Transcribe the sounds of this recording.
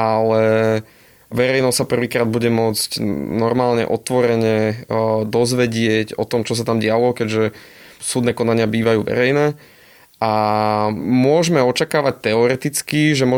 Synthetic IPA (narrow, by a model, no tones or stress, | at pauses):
ʔalɛ | ʋɛɾɛjnɔsapr̩ʋiːkɾaːd̪̚buɟɛmʊɔd͡zcnɔɾmaːlɲɛ̰ʔɔt̪ʋɔɾɛɲɛd̪ɔzʋɛɟɪɛɟɔt̪ɔmt͡ʃɔs̬at̪amɟɪalɔkɛɟʒɛ | suːd̪nɛːkɔnaɲɪabiːʋajuːʋɛ̰ɾɛjnɛː | a | mʊɔʒmɛɔt͡ʃakaːʋac̚t̪ɛɔɾɛt̪it͡skiʒɛmʊɔ